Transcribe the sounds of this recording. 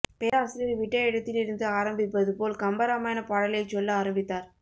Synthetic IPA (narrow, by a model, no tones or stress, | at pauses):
peːɾaːsɪlɪɾʋɪʈːɐɛɽɐt̪ːɪlɪɾɯnd̪ɯaːɾɐmbɪpːɐðɯpoːlkɐmbɐɾamaːjnɐpaːɽɐlɐɪt͡ʃːɔlːaːɾɐmbɪt̪ːaːɾ